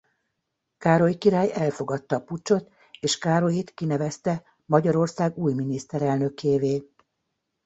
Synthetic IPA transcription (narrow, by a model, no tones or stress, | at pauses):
kaːɾojikiɾaːjɛlfo̞ɡɒt̪ːɒːput͡ʃːo̞t̪ | eːʃkaːɾo̞jit̪kinɛvɛst̪ɛ | mɒɟɒɾo̞rsaːɡuːjminist̪ɛɾɛlnø̞keːveː